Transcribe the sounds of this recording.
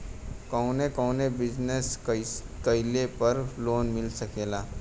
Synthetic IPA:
kɔnekɔːnebɪd͡ʒneskɐɪlepɐɾloːnmɪlsɐkeːlaː

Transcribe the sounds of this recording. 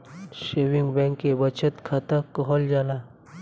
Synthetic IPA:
ʃeʋiŋɡbɛ̃ŋkːebət͡ʃʰət̪kʰat̪əkɔɦɔld͡ʒaːlaː

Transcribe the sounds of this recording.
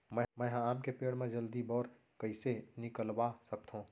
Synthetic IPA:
mɛ̃mɛ̃ːɦãaːmkepeːɽmẽd͡ʒəld̪ibɔːɾ | kɐɪsenɪkəlwasɐk̚t̪ɦũː

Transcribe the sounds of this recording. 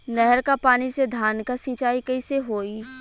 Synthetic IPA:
nɛɦɛɾkapaːnised̪ʱaːnkasɪ̃ːt͡ʃaːikɐiseɦoːiː

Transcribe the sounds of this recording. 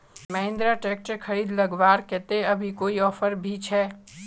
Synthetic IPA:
mɐɦɪ̃nd̪ɾaʈeːk̚ʈəkʰɐɾiːd̪lɐɡʋaːɾkɛt̪eɐbʱikoːiɔːfəɾbʱit͡ʃʰɛː

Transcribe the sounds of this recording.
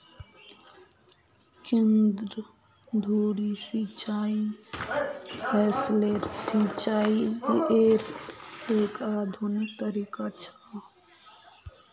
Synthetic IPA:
kẽnd̪ɾə | d̪ʱuːɽisit͡ʃai | pesleɾsit͡ʃaiiʔeɾ | ekaːd̪ʱunik̚t̪əɾikat͡ʃʰə

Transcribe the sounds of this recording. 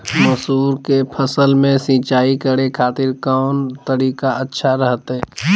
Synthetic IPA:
məsuːɾkepʰəsəlmẽsĩːt͡ʃaːikəɽekʰaːt̪ɪɾkɔːnt̪əɾiːkaətːʃʰaɾəɦt̪ɦɛ̃

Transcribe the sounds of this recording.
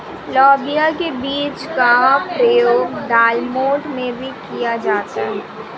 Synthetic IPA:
lɔːbijakebiːt͡ʃkapɾəjoːɡɖaːlmoːʈmẽbʱikijad͡ʒaːt̪aɦɛɛː

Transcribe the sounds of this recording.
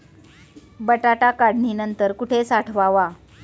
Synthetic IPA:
bəʈaʈakaɽɳiːnənt̪əɾkuʈʰesaʈʰʋaʋa

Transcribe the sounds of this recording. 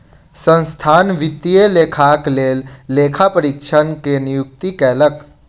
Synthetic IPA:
sə̃nst̪ʰaːnʋɪt̪ːieleːkʰaːkleːlːeːkʰapəɾɪkʃʰənkenɪjʊk̚t̪ikɛːlək

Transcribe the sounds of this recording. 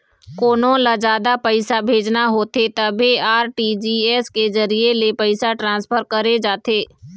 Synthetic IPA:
koːnõlad͡ʒaːd̪apəɪsabʱeːd͡ʒnaɦoːt̪et̪əbʱiaːɾʈid͡ʒiːɛskezəɾielepəɪsaʈɾãːspʰəɾkəɾed͡ʒaːt̪eː

